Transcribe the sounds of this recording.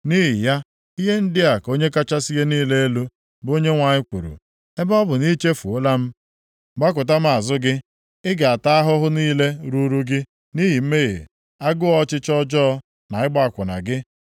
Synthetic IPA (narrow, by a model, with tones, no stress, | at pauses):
ni˦ɦi˨ja˦ | i˦ɦe˦n̩˦dɪ˦a˨ko˦ɲe˦ka˦t͡ʃa˦si˦ɦe˦niː˦le˦e˦lu˦ | bo˦ɲe˦ŋʷa˨ɲɪ˦kʷṵ˨ɾṵ˨ | e˦bɔ˦bʊ˨ni˦t͡ʃe˦fu˨o˦la˦m̩˦ | ɡ͡ba˦k̬ʊ˨ta˦m̩˦a˨zʊ˦ɡɪ˦ | ɪ˦ɡa˨a˨ta˦a˦ɦʊ˦ɦʊ˦niː˦le˦ɾu˦ɾu˦ɡɪ˦ | ni˦ɦi˨m̩˦me˦ɣḛ˨ | a˦ɡʊ˦ɔ˦t͡ʃɪ˦t͡ʃɔ˦d͡ʒɔ˦ɔ˦ | na˨ɪ˦ɡ͡ba˦˨a˨kʷʊ˨na̰˨ɡɪ˦